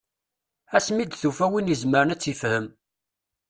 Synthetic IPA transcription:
æsmid̪θufæwinjizməɾənæt͡sːifhəm

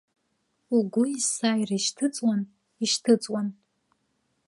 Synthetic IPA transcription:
uɡʷʊisajriʃtʰɨt͡sʼwan | iʃtʰɨt͡sʼwan

